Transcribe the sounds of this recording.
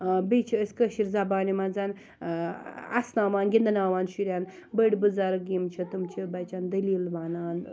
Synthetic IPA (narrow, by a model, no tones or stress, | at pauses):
bet͡ʃʰiːsʲkəʃiɾzabaːnimand͡zaːn | ɐ̰snaːʋaːnɡʲind̪ɐnaːʋaːnʃuɾʲjaːn | bəɽʲbɨzaːɾɡimt͡ʃʰɐt̪umt͡ʃʰibɐt͡ʃaːnd̪ɐliːlʋaːnaːn